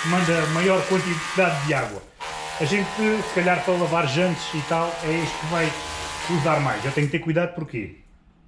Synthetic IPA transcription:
mɐ̃nd̪ɐmɐjɔɾkwɐ̃nt̪iðaðːɨaɣwɐ̰ | ɐʒẽnt̪ɨsɨ̥kɐʎaɾpojlˠɐvaɾʒɐ̃nt̪ʃit̪alˠɛiʃt̪̚kɨvajkuzaɾmajʃewt̪ɛ̃ɲuk̚t̪eɾkujðaðupuɾkḛ

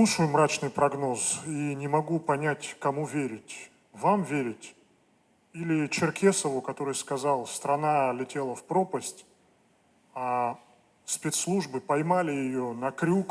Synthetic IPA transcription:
lˠuʂəjʊmɾat͡ɕnɨjpɾɐɡno̞zinʲɪmɐɡupɐnʲætʲkɐmuvʲeɾʲɪtʲ | vamvʲeɾʲɪtʲ | ilʲɪt͡ɕɪrkʲe̞səvʊkɐt̪o̞ɾɨjskɐzalˠst̪ɾɐnalʲɪtʲe̞lˠəfpɾo̞pəsʲtʲ | a | spʲet̪slˠuʐbɨpɐjmalʲɪjɪjonɐkɾʲuk

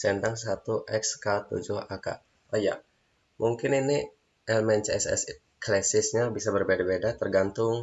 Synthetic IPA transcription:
sɛndaŋs̬at̪uʔɛkskat̪ṵd͡ʒʊhaka̰ | aja̰ʔ | muŋkɪnini | ʔɛlmɛnt͡ʃɛsɛ̰s | klɛsɪsɲabisabərbedabedat̪ərɡant̪ʊŋ

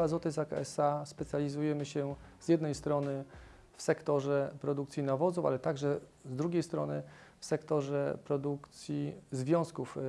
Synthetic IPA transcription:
azɔt̪ɛzakaɛsaspɛt̪sʲjalʲizujɛmɘɕɛz̥jɛd̪nɛjst̪ɾɔnɘ | fsɛkt̪ɔʐɛpɾɔd̪ukt̪sʲjinavɔzufa̰lɛt̪aɡʐɛzd̪ɾuɡʲejst̪ɾɔnɘfsɛkt̪ɔʐɛpɾɔd̪ukt̪sʲjizvʲjɔ̃w̃skuf

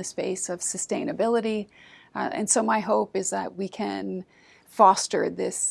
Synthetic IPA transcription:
ɨspeɪsʌv̥sɨstẽɪ̃ñɨbɪlˠəɾi | ɨ̰̃nsoʊmaɪɦoʊpɨzðə̰ʔ̚wikʰɨ̃n | fɑstə̰˞ðɪs

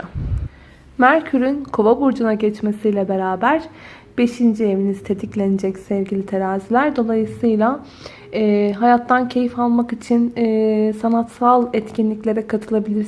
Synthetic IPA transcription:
mæɾcʰyɾynkʰovabuɾd͡ʒunaɟɛt͡ʃmesijlʲɛbe̞ɾaːbæɾ̥ | b̥e̞ʃind͡ʒie̞vinizt̪ʰet̪ʰiclʲe̞nid͡ʒɛcsɛvɟilʲit̪ʰeɾaːzilʲæɾd̪o̞lˠajɯsɯjlˠa | ɦajat̪ʰːancʰe̞jifalˠmakit͡ʃʰinːsanat̪salˠɛt̪cʰinlʲiclʲe̞ɾɛkʰat̪ʰɯlˠabilʲiɾ

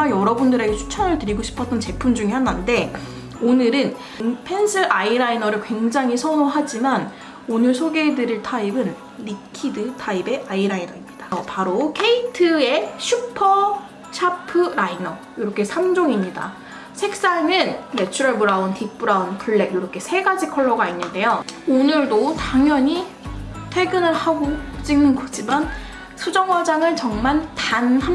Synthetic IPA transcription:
ajʌɾʌbundɯɾe̞ɡe̞t͡ɕʰu̥t͡ɕʰʌnɯɭtɯɾiɡoɕʰi̥pʰʌt͈̚ʌnt͡ɕe̞pʰumd͡ʑuŋihanande̞ | onɯɾɯn | npʰe̞nsʰɯʔaiɾainʌɾɯɭkwe̞ŋd͡ʑaŋɦisʰʌnoɦad͡ʑiman | onɯɭsʰoɡe̞dɯɾiɭtʰaibɯn | ɾikʰidɯtʰaibe̞ʔaiɾainʌimɲid̥ḁpaɾokʰe̞itʰɯe̞ɕʰupʰʌ | ɕʰapʰɯɾainʌ | joɾʌkʰe̞sʰamd͡ʑoŋimɲida̰ | sʰe̞k̚s͈aɭnɯnmet͡ɕʰuɾʌɭmuɾaontik̚p͈uɾaonpuɭːe̞ɡjoɾʌkʰe̞sʰe̞ɡad͡ʑikʰʌɭːʌɡainːɯnde̞joonɯɭdotaŋjʌɲi | tʰe̞ɡɯnɯɭhaɡot͡ɕ͈iŋnɯnkod͡ʑiman | sʰud͡ʑʌŋwad͡ʑaŋɯɭt͡ɕʌŋmaɭtanha

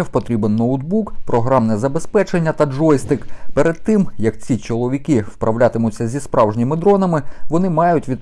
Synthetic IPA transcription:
ɛwpɔt̪ɾʲibɛnːɔʊd̪bukpɾɔɦɾɑmnɛzɐbespɛt͡ʃe̞nʲːɐt̪ɐd͡ʒɔjst̪ɪkpɛɾed̪̚t̪ɪmjɐk̚t͡sʲit͡ʃɔlˠɔʋʲikɪwpɾɐwlʲat̪ɪmʊt͡sʲːɐzʲispɾʔɑwʒnʲimɪd̪ɾɔnɐmɪʋɔnɪmɑjʊtʲʋʲid̪̚

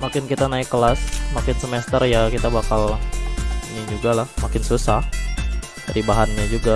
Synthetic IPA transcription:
makɪnkit̪anaɪkːəlasmakɪnsəmɛst̪ərjakit̪abakal | iɲid͡ʒuɡalahmakɪnsusah | daɾibaɦanɲad͡ʒuɡa

